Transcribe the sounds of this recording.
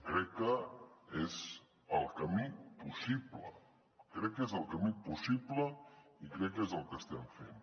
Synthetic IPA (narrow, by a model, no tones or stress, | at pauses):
kɾɛkːəez | əlˠkəmipusiplə̰ | kɾɛkːezəlˠkəmipusipləikɾɛkːezəlˠkəst̪ɛɱfḛn